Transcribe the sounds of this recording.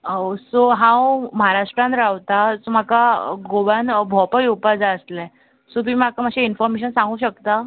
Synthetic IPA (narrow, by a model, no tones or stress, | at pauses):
osoɦãwməɦaɾaʂʈɾãnt̪ɾaʋt̪asom̤akaɡoʋanbʱɔpəjupad͡zaəslɛ | sot̪im̤akamaɕiinfɔɾmeɕ̬ənsãŋɡuːɕəkt̪a